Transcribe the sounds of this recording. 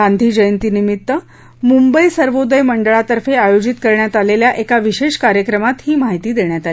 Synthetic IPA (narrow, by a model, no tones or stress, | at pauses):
and̪ʱiːd͡ʑəjənt̪iːnimit̪ːə | mumbəisəɾʋod̪əjməɳɖəɭat̪əɾfeajod͡ʑit̪kəɾɳjat̪aleljaʔekaʋiɕeɕkaɾjəkɾəmat̪hiːmaɦit̪iːd̪eɳjat̪al